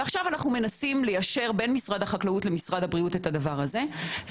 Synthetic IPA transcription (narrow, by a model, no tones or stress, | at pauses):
eaχʃavanaχnume̞nasimle̞jaʃe̞ʁbe̞nmisʁadhaχaklautle̞misʁadhabʁiute̞tadavaʁaze̞